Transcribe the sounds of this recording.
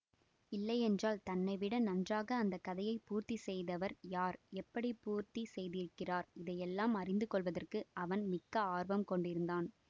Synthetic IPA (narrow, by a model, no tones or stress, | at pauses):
ɪlːɐɪɛndraːlt̪ɐnːɐɪʋɪɽɐnɐndraːɣɐːnd̪ɐkːɐðɐjɐɪpuːɾt̪isɛjðɐʋɐɾjaːɾɛpːɐɽipuːɾt̪isɛjðɪɾɯkːɪraːɾɪðɐjɛlːaːmɐrɪnd̪ɯkɔɭʋɐðɐrkɯɐʋɐnmɪkːɐaːɾbɐmkɔɳɖɪɾɯnd̪aːn